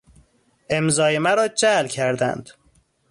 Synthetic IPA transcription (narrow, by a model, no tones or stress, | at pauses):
ʔe̞mzɒːjemæɾɒːd͡ʒælcʲʰæɾd̪æ̰nd̪̥